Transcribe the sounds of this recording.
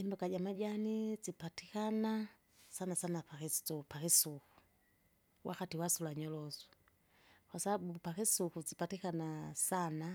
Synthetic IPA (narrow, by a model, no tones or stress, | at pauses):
imbakaɟamad͡ʒanizipatikana | sanasanapakistɔpakisuku̥ | wʔakatiwasulaɲɔlɔzɔ̥ | kwasabbupakisukuzipatikanasana